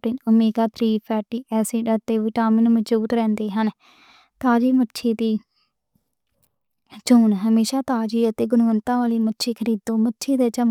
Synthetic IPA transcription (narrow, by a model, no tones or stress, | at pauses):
ʈɪnəmeːɡaːt̪ʰɾiːpʰɛːʈiːʔɛːseːɖəɾt̪eːʋɪːʈaːmiːnməd͡ʒuːt̪ɾɛ̃ːnd̪eːɦən | t̪aːd͡ʒiːmətːʃʰeːt̪iː | t͡ʃoːnɦəmeːʃaːt̪aːd͡ʒiːət̪eːɡʊnʋənt̪ãːʋaːliːmətːʃʰeːkʰəɾiːd̪õːmətːʃʰeːd̪eːt͡ʃə